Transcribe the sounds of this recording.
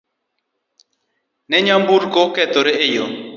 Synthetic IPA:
nɛɲambuɾkokɛt̪oɾeejo

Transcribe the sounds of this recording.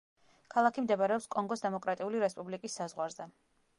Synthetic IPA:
kʰalˠakʰimd̪ɛbaɾɛɔpskʼɔŋɡɔsd̪ɛmɔkʼɾat̪ʼiuliɾɛspʼublikʼisːazʁwaɾzɛ

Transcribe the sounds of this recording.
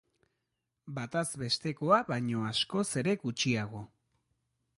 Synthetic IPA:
bat̪azβe̞st̪e̞ko̞aβaɲo̞asko̞se̞ɾe̞ɡut͡ʃiaɣ̞o̞

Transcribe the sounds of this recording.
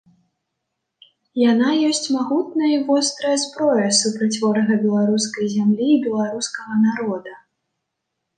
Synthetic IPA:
janajɔsʲt͡sʲmaɣut̪̚nɐjɐivɔst̪ɾɐjɐspɾɔjɐsupɾɐt͡sʲvɔɾɐɣɐbʲɛlˠaɾuskɐjzʲamlʲiːbʲɛlˠaɾuskɐɣɐnaɾɔd̪ɐ

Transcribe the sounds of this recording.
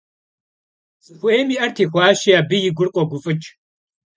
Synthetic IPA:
t͡sʼɨxʷʊʔeːmiːʔɐrtʰeːxʷaːʃiaːbɨjɪɡʷʊrqʷʼɔɡʷʊfʼɨt͡ʃʼ

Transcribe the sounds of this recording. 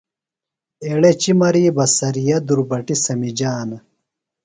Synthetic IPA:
eɽet͡ɕimɐɾiːbɐsɐɾijɐd̪uɾbɐʈisɐmid͡ʑaːnɐ

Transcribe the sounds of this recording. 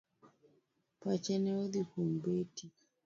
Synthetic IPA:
pat͡ʃɛnɛuðipumbeti

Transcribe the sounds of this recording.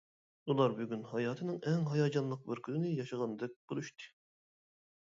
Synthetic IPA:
ulˠɑɾbyɡʲynhɑjɑːt̪ʰɨnɨŋɛŋɦɑjɑːd͡ʒɑnlˠəq̚bɪɾkʲʰynɪnɪjɑʃɑʁɑnd̪ɛk̚ʲb̥olˠuʃt̪ɨ̥

